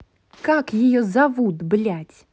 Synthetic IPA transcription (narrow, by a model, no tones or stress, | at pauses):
kakjɪjɔzavud̪blʲætʲ